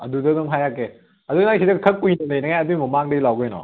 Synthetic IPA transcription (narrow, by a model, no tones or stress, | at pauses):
ɐdudɐɡɐmɦajakːe | ɐduɡnasʰidɐkʰɐk̚pːujnɐnejnɐŋajabimɐmaŋdɐilawɡɯjnɔ̰